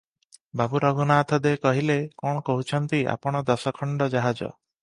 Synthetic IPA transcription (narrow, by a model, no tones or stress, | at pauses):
babuɾɔɡunaːt̪ʰɔd̪ekɔɦilekɔɽ̃ɔkoɦut͡ʃʰɔnt̪iʔa̰pɔɽ̃ɔd̪ɔsɔkʰɔɳɖɔd͡ʒaɦad͡ʒɔ̰